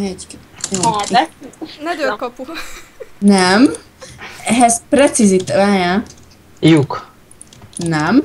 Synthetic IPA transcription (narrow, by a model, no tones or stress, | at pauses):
ɛ | jo | nɛd̪økɔpu | nɛm | ɛɦɛzpɾɛt̪sizit̪aja | juk | nɛm